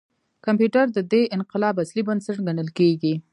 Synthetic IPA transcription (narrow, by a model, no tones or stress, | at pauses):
kampjuʈaɾd̪əd̪eʔɪnqɪlɑbaslibənsaʈɡanəlkeɡi